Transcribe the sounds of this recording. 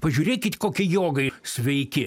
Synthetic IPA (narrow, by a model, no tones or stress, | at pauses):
pɐʒʲuːɾʲeːkʲɪt̪ʲkoːkʲɪjoːɡɐɪsʲʋʲɛɪkʲɪ